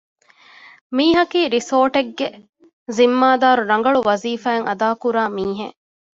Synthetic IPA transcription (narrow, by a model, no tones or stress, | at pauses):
miːɦɐkiːɾisoːʈeɡːe | zimːaːd̪aːɾuɾɐŋ̆ɡɐɭuʋɐziːfæːŋɐd̪aːkuɾaːmiːɦḛʔ